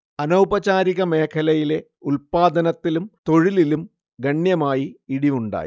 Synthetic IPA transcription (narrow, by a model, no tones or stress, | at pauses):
ɐnɐwbɐt͡ɕaːɾiɣɐme̞ːkʰɐlɐjile̞ | ulpaːd̪ɐnɐt̪ːilumt̪o̞ɻililum | ɡɐɳjɐmaːjiiɽiuɳɖa̰ːji